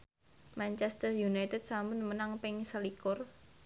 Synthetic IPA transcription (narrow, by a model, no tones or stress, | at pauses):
mant͡ʃɛst̪ərjunajt̪ɛd̪̚sambʊnmənaŋpɪŋsəlikʊr